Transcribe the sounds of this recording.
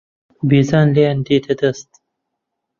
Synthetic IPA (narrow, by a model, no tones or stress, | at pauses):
bizaːnleːnd̪iːt̪ʰed̪əst̪